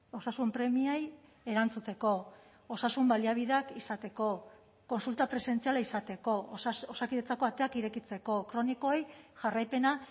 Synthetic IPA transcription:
o̞sasumpɾe̞miaj | e̞ɾant͡sut͡s̪e̞ko̞ | osasumbaliaβ̞iðeakisat̪e̞ko̞ | ko̞nsult̪apɾe̞se̞nt͡sialaisat̪e̞ko̞osakiðet͡sako̞at̪eakiɾe̞kit͡se̞ko̞kɾo̞niko̞ejʝarajpe̞na

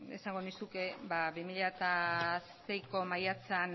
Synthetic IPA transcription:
ḛsaŋɡonisuke̞baβimiʎat̪aste̞jko̞majat͡sean

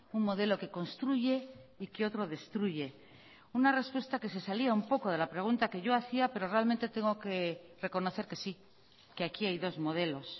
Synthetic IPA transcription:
uŋmo̞ð̞e̞lo̞ke̞ko̞nst̪ɾuʝe̞ikeo̞t̪ɾo̞ðe̞st̪ɾuʝe̞ | unare̞spwe̞st̪ake̞se̞saliaumpo̞koð̞e̞lapɾeɣ̞unt̪ake̞ʝo̞aθiape̞ɾo̞re̞alment̪e̞t̪e̞ŋɡo̞ke̞re̞ko̞no̞θe̞ɾkesi | ke̞akiajðo̞zmo̞ð̞e̞lo̞s

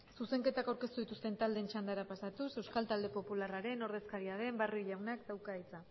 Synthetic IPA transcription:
suse̞ŋke̞t̪akawɾke̞st̪uðit̪ust̪e̞nt̪ald̪e̞nt͡ʃand̪aɾapasat̪use̞wskalt̪ald̪e̞po̞pularaɾe̞no̞ɾðe̞skaɾiaðe̞mbaruiʎawnakd̪awkait͡sa

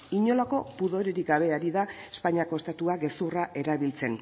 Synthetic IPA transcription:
iɲo̞lako̞puðo̞ɾe̞ɾiɡaβ̞e̞aɾiðaespaɲiako̞est̪at̪uaɡe̞suraʔe̞ɾaβilt͡se̞n

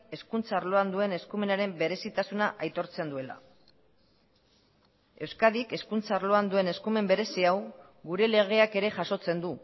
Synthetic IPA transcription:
e̞skunt͡saːɾlo̞and̪ue̞ne̞skume̞naɾe̞mbe̞ɾe̞sit̪asunaʔajt̪o̞ɾt͡se̞nd̪ue̞la̰ | e̞wskaðike̞skunt͡saɾlo̞and̪ue̞ne̞skume̞mbe̞ɾe̞siaw | ɡuɾe̞le̞ɣ̞e̞ake̞ɾe̞ʝaso̞t͡se̞nd̪u

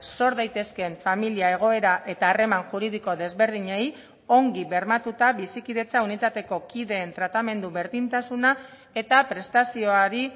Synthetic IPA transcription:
so̞ɾðajt̪e̞ske̞ɱfamiliae̞ɣ̞o̞e̞ɾaʔe̞t̪aːre̞maŋʝuɾiðiko̞ðe̞zβe̞ɾðiɲej | o̞ŋɡiβe̞ɾmat̪ut̪aβisikiðe̞t͡saunit̪at̪e̞ko̞kiðe̞ːnt̪ɾat̪ame̞nd̪uβe̞ɾðint̪asuna | e̞t̪apɾe̞st̪asio̞aɾi

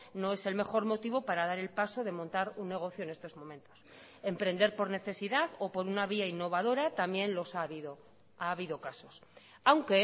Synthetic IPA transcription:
no̞e̞se̞lme̞xo̞ɾmo̞t̪iβo̞paɾaðaɾe̞lpaso̞ðe̞mõnt̪aɾunːe̞ɣ̞o̞θjoene̞st̪o̞zmõ̞mẽ̞nt̪o̞̥s | e̞mpɾe̞nd̪e̞ɾpo̞ɾne̞θe̞siðaðo̞po̞ɾunaβ̞iainːo̞β̞aðo̞ɾat̪amje̞nlo̞saβiðo | aːβ̞iðokaso̞s | awŋke

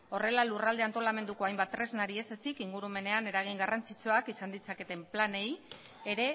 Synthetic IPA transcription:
o̞re̞lalurald̪e̞ant̪o̞lame̞nd̪uko̞ajmbat̪ːɾe̞znaɾie̞se̞sikiŋɡuɾume̞ne̞ane̞ɾaɣ̞iŋɡarant͡sit͡soakisand̪it͡sake̞t̪e̞mplane̞j | eɾe̞

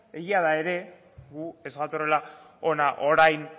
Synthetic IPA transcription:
e̞ɣiaðae̞ɾe̞ | ɣue̞sβat̪orela | o̞naʔoɾajn

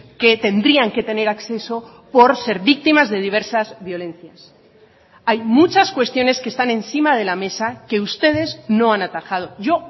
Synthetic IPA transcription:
ke̞t̪e̞nd̪ɾiaŋke̞t̪e̞ne̞ɾakθe̞so̞ | po̞ɾse̞ɾβik̚t̪imazðe̞ð̞iβ̞e̞ɾsazβjo̞lẽ̞n̟θjas | ajmut͡ʃaskwe̞st̪jo̞ne̞skest̪anẽ̞nsimað̞e̞lame̞sake̞ust̪e̞ð̞e̞zno̞anat̪axaðo̞ʝo̞

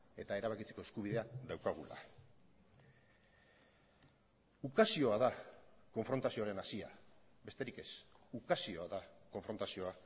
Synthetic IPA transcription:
e̞t̪ae̞ɾaβakit͡se̞ko̞e̞skuβiðe̞aðawkaɣ̞ula̰ | ukasio̞aðako̞ɱfɾo̞nt̪asio̞aɾe̞nasia̰be̞st̪e̞ɾike̞sukasio̞aðako̞ɱfɾo̞nt̪asio̞a

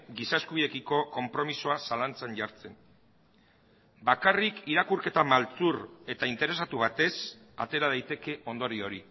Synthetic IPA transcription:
ɡisaeskuβiðe̞kiko̞ko̞mpɾo̞misoasalant͡sanʝaɾt͡se̞n | bakarikiɾakuɾke̞t̪amalt͡suɾe̞t̪aint̪e̞ɾe̞sat̪uβat̪e̞s | a̰t̪e̞ɾað̞ajt̪e̞ke̞o̞nd̪o̞ɾio̞ɾi

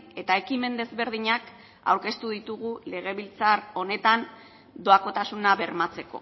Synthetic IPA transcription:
e̞t̪ae̞kime̞nd̪e̞zβe̞ɾð̞iɲak | a̰wɾke̞st̪uð̞it̪uɣ̞ule̞ɣ̞e̞βilt͡saro̞ne̞t̪an | d̪o̞ako̞t̪asunaβe̞ɾmat͡se̞ko̞̰

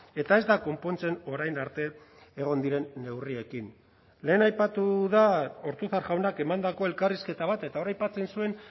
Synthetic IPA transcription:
e̞t̪ae̞zd̪ako̞mpo̞nt͡se̞no̞ɾajnaɾt̪e̞ː | ɣ̞o̞nd̪iɾe̞nːe̞wrie̞kin | le̞ːnajpat̪uðao̞ɾt̪uθaɾʝawnake̞mand̪ako̞e̞lkariske̞t̪aβ̞at̪e̞t̪aoɾajpat͡se̞nsue̞n

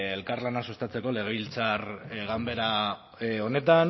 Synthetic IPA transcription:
elkaɾlanasust̪at͡se̞ko̞le̞ɣe̞βilt͡sarɣambe̞ɾa | o̞ne̞t̪an

